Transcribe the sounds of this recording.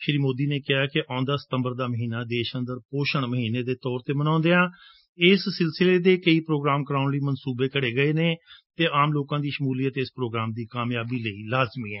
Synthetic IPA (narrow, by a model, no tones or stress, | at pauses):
ʃɾiːmoːd̪iːneːkɪɦaːkɪʔãːnd̪aːsə̥t̪ə̃mbəɾd̪aːməɦiːnaːd̪eːʃə̃nd̪əɾpoːʃəɳməɦiːneːd̪eːt̪ɔːɾt̪eːmənãːnd̪eːãː | ɪsːɪlsɪleːd̪eːkəiːpɾoːɡɾaːmkəɾaːʊnliːmənsuːbeːkəɽeːɡəeːneːt̪eːʔaːmloːkãːd̪iːʃəmuːliːət̪ɪspɾoːɡɾaːmd̪iːkaːmjaːbiːləiːlaːzmiːɛː